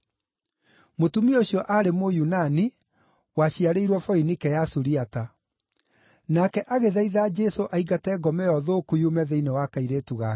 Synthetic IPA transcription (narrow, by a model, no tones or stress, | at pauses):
motumioɕjɔʔaɾemojunani | waɕiaɾeiɾwɔfɔinikɛjasuɾiata | nakɛʔaɣeðaiðaːd͡ʒɛsoʔaiɣatɛːɡɔmɛjɔðokujumɛðeinewakaiɾetuɣa